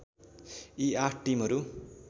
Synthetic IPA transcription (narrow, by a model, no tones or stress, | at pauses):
iaʈʈimɦʌɾu